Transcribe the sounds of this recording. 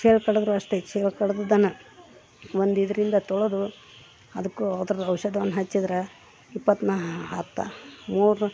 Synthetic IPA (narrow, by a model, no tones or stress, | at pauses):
t͡ʃeːlkɐɽɐd̪ɐɾuɐʂt̪et͡ʃeːlkɐɽɐd̪ɐd̪ɐnɐ | ʋond̪id̪ɐɾind̪ɐt̪ɔɭod̪u | ɐd̪ɐkːuɐd̪ɐɾɐd̪ɐwʃɐd̪ɐʋɐnːɐɦɐt͡ʃːid̪ɾe | ipːɐt̪ːnaat̪ːa̰muːɾ